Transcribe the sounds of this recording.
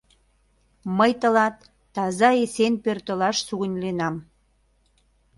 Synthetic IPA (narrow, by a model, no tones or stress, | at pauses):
məjt̪ə̆lɑt̪ː | ɑzɑesenpørt̪əlɑʃsuɣə̆nʲlenɑm